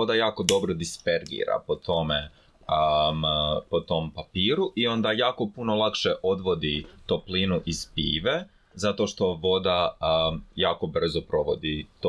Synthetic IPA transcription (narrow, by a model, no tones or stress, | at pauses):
od̪ajaːko̞d̪o̞bɾod̪ispeɾɡḭɾa̰pot̪o̞me | mpot̪o̞mpapiːɾuʔio̞nd̪ajaːko̞puno̞lˠakʃeʔo̞d̪ʋo̞d̪it̪oplinuʔizpḭːʋe | zat̪o̞ʃt̪o̞ʋo̞d̪a | jaːko̞br̩zopɾo̞ʋo̞̰d̪it̪o